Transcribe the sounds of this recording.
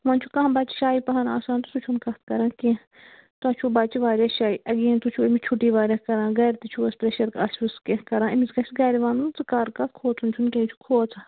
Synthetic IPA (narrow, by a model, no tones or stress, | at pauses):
ʋɐnt͡ʃʰukãːbat͡ʃi̥ʃaːipɐɦɐna̰ːsaːnt̪usut͡ʃʰunkɐt̪̚ʰkɐɾãːkẽ | t̪uɐt͡ʃʰubaːt͡ʃiʋaːɾɐʃaːiʔɐɡĩːnt̪ut͡ʃʰuemit͡ʃʰuʈiːʋaːɾʲɐkɐɾãːɡɐːɾt̪it͡ʃʰuɐspɾeʃɐɾkat͡ʃʰuskẽkɐɾãːɐmizkɐsɡɐːɾiʋaːnunzɨkaːɾkɐt̪̚kʰoːt͡sʰunt͡ʃʰunkẽːit͡ʃʰu̥kʰoːt͡sʰa